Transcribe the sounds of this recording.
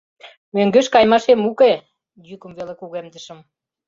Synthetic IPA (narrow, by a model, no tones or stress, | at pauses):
møŋɡøʃkɑjmɑʃemuke | jykə̆mvelekuɣemd̪əʃə̆m